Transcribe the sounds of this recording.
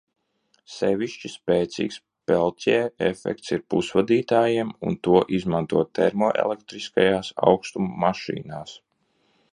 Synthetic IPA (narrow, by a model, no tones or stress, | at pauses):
sɛvʲiʃt͡ʃispeːt̪sḭːks | pɛlˠt̪ʲɛɛefɛ̰k̚t̪siɾpusvad̪iːt̪aːjiɛmṵnt̪uɔʔizmant̪uɔt̪t̪ːɛɾmɔːʔḛlˠɛk̚t̪ɾiskajaːsa̰wkst̪umːaʃḭːnaːs